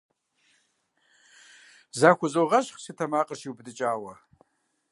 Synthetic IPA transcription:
zakʷʊzowʁaʃχsitʰamaqʼəʃiwbdɨt͡ʃʼaːwa

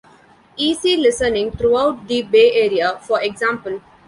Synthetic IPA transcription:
iːsilɪsənɪ̃ŋt̪ʰɾuaʊʈ̚d̪ibeːʔeːɾiafɔɾeɡzãmpəl

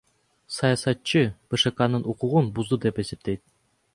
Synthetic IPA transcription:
sɑjɑsɑt̪t͡ʃɯb̥ɨʃɨkɑnɯnʔuquʁunbuzd̪ud̪epe̞sep̚t̪ejt̪̚

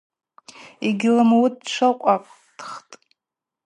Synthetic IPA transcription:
iɡʲɪlamawud̚t͡ʃʷʰaqʷʼapʼ | d̥χtʼ

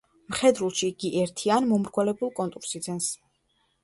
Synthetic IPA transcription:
mχɛd̪ɾulˠʃiɡiʔɛɾt̪ʰianmɔmɾɡwɛlɛbulˠkʼɔnt̪ʼuɾsid̪zɛns

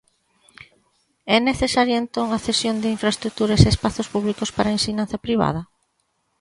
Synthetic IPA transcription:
ɛneθesaɾjɐent̪oŋɐθesjond̪ɪiɱfɾɐest̪ɾuk̚t̪uɾɐseːspaθʊspuβlikʊspaɾɐensiɲãnθɐpɾiβ̞a̰ð̞ɐ

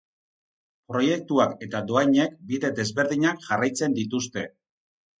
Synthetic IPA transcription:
pɾo̞je̞k̚t̪uake̞t̪ad̪o̞ajɲe̞kbiðe̞d̪e̞zβe̞ɾðiɲakʝarajt͡se̞nd̪it̪ust̪e̞

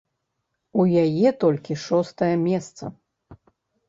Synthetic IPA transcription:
ujajɛt̪ɔlʲkʲiʂɔst̪ɐjɐmʲɛst̪sɐ̰

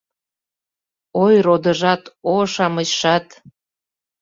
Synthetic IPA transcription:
ojrod̪əʒɑt̪oʃɑmət͡ɕʃɑt̪

